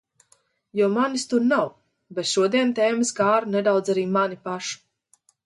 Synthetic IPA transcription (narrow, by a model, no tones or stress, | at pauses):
jɔmanist̪uɾnaw | bɛt̪ʃuɔd̪iɛnt̪ɛːmisɡaːɾunɛd̪awd̪zaɾiːmanipaʃu̥